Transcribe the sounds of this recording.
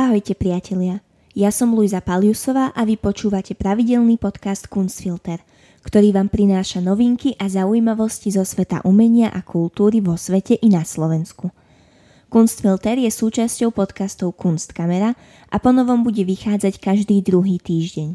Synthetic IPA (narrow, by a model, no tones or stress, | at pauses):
aɦɔjcɛpɾɪacʰɛʎɪa | jasɔmlujzapaljusɔʋaːʔaʋipɔt͡ʃuːʋacɛpɾaʋiɟɛlnipɔt̪kast̪kunst̪filt̪ɛɾ | kt̪ɔɾiːʋaːmpɾinaːʃanɔʋiŋkiʔazaujimaʋɔscizɔsʋɛt̪a̰ʔumɛɲɪaʔakulˠt̪uːɾiʋɔsʋɛcɛʔinaslɔʋɛnsku | kunst̪filt̪ɛɾjɛsuːt͡ʃascɔʊpɔt̪kast̪ɔʊkunst̪kamɛɾa | ʔapɔnɔʋɔmbuɟɛʋixaːd͡zackaʒd̪iːd̪ɾuɦiːt̪iːʒɟɛɲ